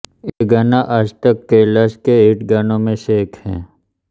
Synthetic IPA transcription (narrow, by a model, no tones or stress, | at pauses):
eɡanaʔɐd͡ʒt̪əkːeləskeɪːʈɡanõmẽseːkʰhɛ̰̃ː